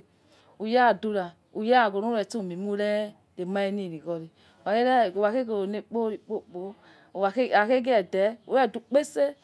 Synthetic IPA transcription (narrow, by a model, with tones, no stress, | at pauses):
u˨ja˦˨du˧ɾa˨ | u˨ja˦˨ɡo˨nu˦ɛ˨tu˦˨mi˨mu˦ɾɛ˦ | e˨ma˦e˦ni˦˨ɾi˨ɡɔ˨ɾi˨ | a˨e˦˨wa˨ke˦ɡo˨o˨ne˨k͡po˦ɾi˨k͡po˦˨k͡po˨˦˨ | a˨ka˨ke˦ɡɛ˨dɛ˨˦u˨˦ɛ˦˨du˨k͡pe˦se˦